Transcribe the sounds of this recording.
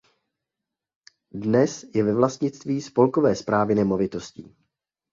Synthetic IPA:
dnɛsjɛvɛvlast̪ɲɪt͡st̪viːspo̞lkovɛːspɾaːvɪnɛmo̞vɪt̪o̞scḭː

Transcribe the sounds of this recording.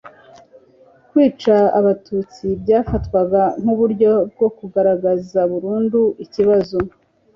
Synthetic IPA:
kwiːt͡ʃaːβatut͡sibɟaːfatkwaɡaŋ̥uβuɾɟo̞b̚ɡo̞kuɡaɾaɡazaβuɾuːnduiciβazo

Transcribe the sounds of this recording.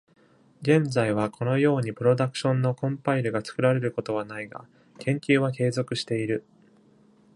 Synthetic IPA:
ɡẽ̞nd͡zaiβ̞akʰo̞no̞jo̞ːɲ̟ipɯ̟ɾo̞d̪akɯ̟̥ɕõ̞nːo̞kõ̞mpaiɾɯ̟ɡat͡sɨ̥kɯ̟ɾaɾe̞ɾɯ̟ko̞t̪o̞β̞anaiɡa̰ | kʰẽ̞ŋkʲɨːβake̞ːzo̞kɯ̟ɕi̥t̪e̞iɾɯ̟

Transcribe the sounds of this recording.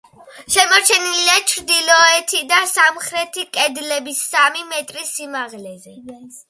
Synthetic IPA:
ʃɛmɔɾt͡ʃʰɛniliat͡ʃʰɾd̪ilɔɛt̪ʰid̪asamχɾɛt̪ʰikʼɛd̪lɛbisːamimɛt̪ʼɾisimaʁlɛzɛ

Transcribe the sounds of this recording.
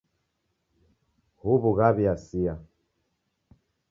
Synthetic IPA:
huβuɣaβiasia

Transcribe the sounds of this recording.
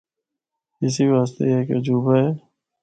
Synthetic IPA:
ɪs̬iʋaːs̬t̪ḛjɦked͡ʒuːbaɛː

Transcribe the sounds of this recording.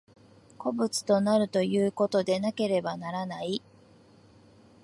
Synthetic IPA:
ko̞bɯ̟t͡sɨ̥t̪o̞naɾɯ̟t̪o̞jɯ̟ːko̞t̪o̞d̪e̞nake̞ɾe̞banaɾanai

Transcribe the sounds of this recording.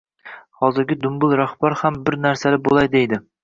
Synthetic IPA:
hɒzɪɾɡʲɪd̪ʊmbʊlˠɾaχbaɾhambɪɾnaɾsalɪbolˠajd̪ejd̪ɪ

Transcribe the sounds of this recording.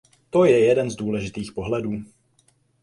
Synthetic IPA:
t̪o̞jɛjɛdɛnzduːlɛʒɪt̪iːxpo̞ɦlɛduː

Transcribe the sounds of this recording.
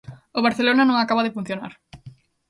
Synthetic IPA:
oβ̞aɾθelonanõŋakaβaðɪfun̟θjona̰ɾ

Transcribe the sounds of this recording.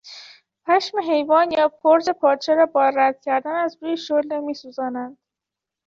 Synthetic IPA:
pʰæʃmeɦe̞jvɒːnjɒːpʰoɾze̞pʰɒːd̪ʃeɾɒːbɒːɾæd̪̥̚cʲʰæɾd̪ænæzɾuːjeʃolemiːsuːzɒːnænd̪̥

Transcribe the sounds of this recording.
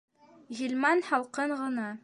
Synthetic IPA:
ʑilʲmɑnhɑlˠqɤɴʁɤ̆nɑ

